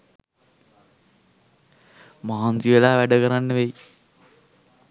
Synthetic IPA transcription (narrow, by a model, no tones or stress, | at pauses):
maɦansiʋəlaːʋæɖəkəɾanːəʋej